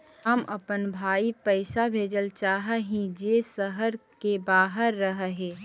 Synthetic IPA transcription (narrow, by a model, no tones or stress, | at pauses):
ɦəmʔɐpənbʱaːipəɪsabʱeːd͡ʒəlt͡ʃaːɦəɦĩd͡ʒeːsəɦəɾkebaːɦəɾːəɦɦeː